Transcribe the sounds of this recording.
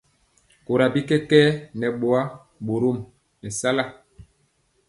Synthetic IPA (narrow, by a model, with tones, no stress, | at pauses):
ko˨ɾa˨bi˦kɛ˦kɛː˦nɛ˨ɓo˨a˦ | ɓo˨ɾo˦˨m | nɛ˨sa˦la˦˨